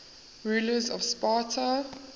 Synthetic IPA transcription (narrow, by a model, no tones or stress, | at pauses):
ɹuːləzɔ̰v̥spatʰə